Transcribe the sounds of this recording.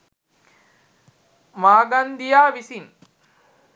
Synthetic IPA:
maːɡand̪ijaːʋisin

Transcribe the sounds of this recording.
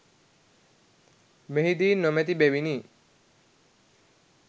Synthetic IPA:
meɦid̪iːnːɔmɛt̪ibɛʋini

